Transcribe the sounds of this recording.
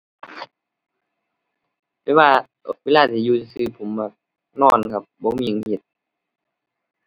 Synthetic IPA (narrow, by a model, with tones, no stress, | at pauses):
pɛː˧˥˦waː˧ | weː˧˨laː˧˩t̪ʰiː˧juː˧˨˧sɯː˧˩pʰo˨˦mbaː˧˩k̚ | nɔː˧˩˨nkʰa˧˩p̚bɔː˧˦miː˧˨˧he˧˩t̪̚